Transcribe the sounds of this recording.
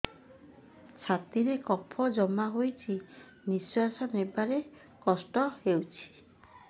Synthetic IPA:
t͡ʃʰat̪iɾekɔpʰɔd͡ʒɔmaɦojt͡ʃʰi | niswasɔnebaɾe | kɔsʈɔhewt͡ʃʰi̥

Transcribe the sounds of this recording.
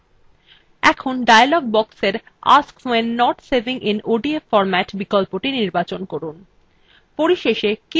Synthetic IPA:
ɛkʰonɖajalɔɡ̚bɔkseɾ | a̰skwenːɔʈseɾbiŋʔinoɖiefɔɾmɛʈbikolpoʈiniɾbat͡ɕonkɔɾun | poɾiʃeʃeki

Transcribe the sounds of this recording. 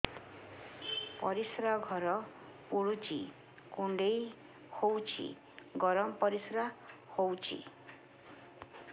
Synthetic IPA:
pɔɾisɾaɡʱɔɾɔpuɽut͡ʃʰḭ | kuɳɖej | howt͡ʃʰḭ | ɡɔɾɔmɔpɔɾisɾahowt͡ʃʰḭ

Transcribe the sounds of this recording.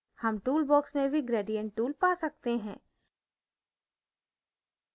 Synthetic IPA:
hɐmʈuːlbɔːksmẽbʱiɡɾeːɖijə̃ɳʈʈːuːlpaːsɐk̚t̪eɦɛ̃ː

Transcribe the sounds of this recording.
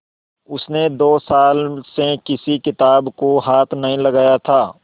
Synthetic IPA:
ʊsned̪oːsaːlsekɪsikɪt̪aːbkoɦaːt̪ʰnɐɦĩlɐɡaːjat̪ʰaː

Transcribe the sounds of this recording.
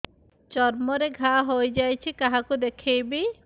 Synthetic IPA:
t͡ʃɔɾmɔɾeɡʱaɦojd͡ʒajt͡ʃʰikaɦakud̪ekʰejbi

